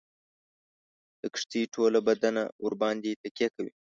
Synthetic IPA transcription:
d̪̥əkʂt̪iʈʰolabad̪ana̰ʊɾbɑnd̪et̪akjakawḭ

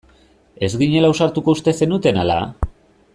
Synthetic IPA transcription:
e̞zɡiɲe̞lausaɾt̪uko̞ust̪e̞se̞nut̪e̞nala̰

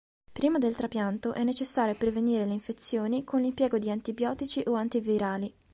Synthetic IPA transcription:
pɾiːmad̪elt̪ɾapjant̪oʔɛnːet͡ʃesːaːɾjopɾeveniːɾeleiɱfet̪sːjoːnikonlimpjɛːɡod̪iant̪ibjɔːt̪it͡ʃiʔoant̪iviɾaːli

